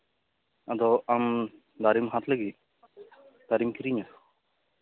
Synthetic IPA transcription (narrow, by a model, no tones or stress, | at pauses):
ɐd̪ɔam | d̪aːɾimɦãt̪ʰleɡi | d̪̥aɾimkʰiɾiɲat̪